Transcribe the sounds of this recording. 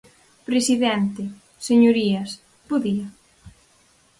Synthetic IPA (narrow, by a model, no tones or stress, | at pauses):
pɾesiðɛnt̪ɪ | seɲoɾiɐs | poðiɐ